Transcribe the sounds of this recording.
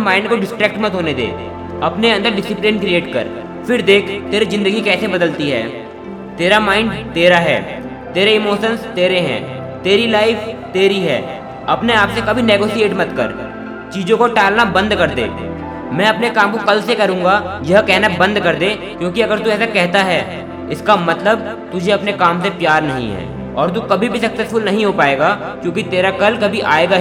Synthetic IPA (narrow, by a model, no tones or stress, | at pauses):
maːɪɳɖkoɖɪsʈɾɛːk̚ʈməɐt̪ɦoːned̪ḛː | ɐpneɐ̃nd̪əɾɖɪsɪplɪnkɾieːʈkə̰ɾ | fɪɾd̪eːkʰt̪eːɾizɪ̃nd̪əɡikɛːsebɐd̪əlt̪iɦɛ̰ː | t̪eːɾamaːɪ̃ɳɖt̪eːɾaɦɛ̰ː | t̪eːɾeɪmoːʃə̃nst̪eːɾeɦɛ̰̃ː | t̪eːɾilaːɪft̪eːɾiɦɛ̰ː | ɐpneaːpsekɐbʱineːɡoːsieːʈmɐt̪kə̰ɾ | t͡ʃiːd͡ʒõkoʈɛːlnabɐ̃nd̪kɐɾd̪ḛː | mɛ̃ːɐpnekaːmkokɐlsekɐɾũːŋɡajɐɦkɛɦnabɐ̃nd̪kɐɾd̪eː | kjõːkiɐɡəɾt̪uɛːsakɛɦt̪aɦɛː | ɪskamɐt̪ləb̚ | t̪ʊd͡ʒʱeɐpnekaːmsepjaːɾnɐɦḭ̃ɦɛ̰ː | ɔːɾt̪̬ukɐbʱibʱisɐksɛsfʊlnɐɦĩɦopaːeːɡa | kjõːkit̪eːɾakɐlkɐbʱiʔa̰ːeːɡaɦ